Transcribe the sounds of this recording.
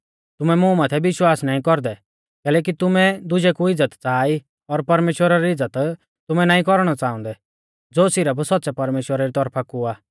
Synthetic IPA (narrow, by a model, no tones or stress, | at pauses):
t̪ʊmɛmũːmat̪ʰɛbɪʃwaːsnaːĩkɔɾd̪ɛ | kɛːlɛːk̬it̪ʊmɛd̪ʊd͡ʒɛkuɪd͡zːət̪t͡saːi | ɔɾpɐɾmeːʃwəɾaɾiɪd͡zːət̪ | t̪ʊmɛnaːĩkɔɾɽ̃ɔt͡saːɔ̃nd̪ɛ | d͡zoːsɪɾəpsɔt̪̚ːsɛpɐɾmeːʃwəɾaɾit̪ɔɾpʰakuaː